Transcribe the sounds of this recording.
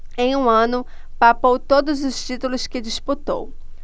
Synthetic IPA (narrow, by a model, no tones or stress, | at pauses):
ẽj̃ũɐ̃nʊ | papowt̪od̪ʊzʊst͡ʃit̪ulʊskɪd͡ʒisput̪o̰w